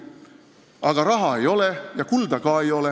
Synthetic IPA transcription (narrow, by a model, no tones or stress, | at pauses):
ʔɑɡ̥ɑɾɑɦɑe̞jo̞lejɑkuld̪ɑkɑːejo̞le